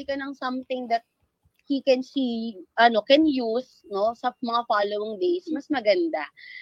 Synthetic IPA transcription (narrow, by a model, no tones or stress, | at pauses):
ikɐnɐŋsɐ̃mt̪ɪŋd̪ɐt̪̚ | hikɛnsiʔɐno̞kɛnjus | no̞sɐmɐŋafaːlowɪŋd̪ejsmɐsmɐɡɐnd̪a